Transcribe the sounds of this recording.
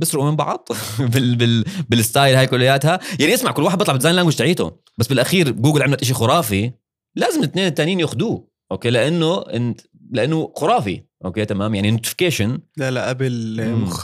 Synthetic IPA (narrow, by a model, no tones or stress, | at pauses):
bɪsɾuʔmɪmbɑ̰ʕd̪ˤbɪbɪlbɪlɪst̪aːjlhaːjkʊlːɪjːaːt̪hajaʕniʔɪsmaʕkʊlːwaːħd̪bɑt̪ˤlɑbd̪zaːjnlaːŋɡwɪʃt̪aʕiːt̪ʊ̰ | basːbɪlʔaxiːɾɡuːɡɪlʕɪmlat̪ʔɪʃixʊɾˤɑːfi | laːzɪmɪt̪neːnt̪ːaːnijiːnjoxd̪uː | ʔoːkeːlɪʔanːʊɪ̰n | lɪʔanːʊxʊɾˤɑːfḭʔoːkeːt̪amaːmjaʕninoːt̪ɪ̥fɪ̥keːʃɪnlalaʔabl